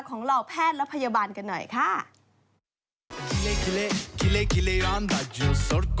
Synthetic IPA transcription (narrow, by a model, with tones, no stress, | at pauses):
kʰɔː˩˦ŋɾa˧wpʰɛː˥˩t̪̚ɾla˦˥pʰa˧ja˧baː˧nka˧nːɔ̰˨˩jkʰa˥˩ | ki˧le˦ki˧le˦ki˦le˦ki˧le˧ɾa˦nd̪a˨d͡ʒo˨so˦˥ɾk